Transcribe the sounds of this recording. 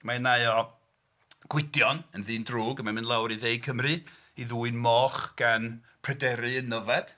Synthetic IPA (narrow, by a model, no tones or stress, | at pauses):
maənaɨɔ | ɡ̥wɪdjɔnənðɨːndruːɡəmamɨnlˠawɾiðejkʰəmrɨ | iðuːɨnmɔːχɡ̥an | pʰrɛdɛɾɨənːəvɛd̥